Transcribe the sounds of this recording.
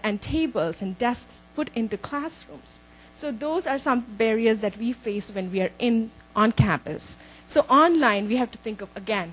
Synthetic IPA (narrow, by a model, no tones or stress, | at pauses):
ɛ̃ɳɖʈʰeːbəlzɛ̃nɖɛskspʊʈɪ̃nʈukʰlæːsɾṵ̃ːms | soːd̪oːzaːɾsʌ̃mbɛɾiəɾzd̪æʈʋiːfeːsʋɛ̃nʋiaɾʔɪ̃nʔɔ̃nkʰæ̃mpə̰sː | oːʔɔ̃ːnlãɪ̃nʋiːɦæʋʈut̪ʰɪ̃ŋkɔʋəɡɛ̃n